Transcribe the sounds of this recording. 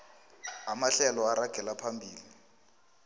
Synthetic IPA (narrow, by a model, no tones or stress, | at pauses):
ɦamaɬɛlɔaɾaɡ̥ʱɛlapʰambʱiːli